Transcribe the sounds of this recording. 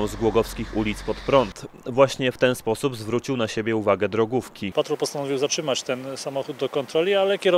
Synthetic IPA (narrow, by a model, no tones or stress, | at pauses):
ɔ̃w̃zɡwɔɡɔfskʲixulʲit̪spɔt̪pɾɔnt̪vwaɕɲɛft̪ɛnspɔsubzvɾut͡ɕiwnaɕebʲjɛuvaɡɛd̪ɾɔɡufkʲipat̪ɾɔpɔst̪anɔvʲiwzatʂɘmat͡ɕt̪ɛnsamɔxud̪̚d̪ːɔkɔnt̪ɾɔlʲialɛkʲɛɾɔ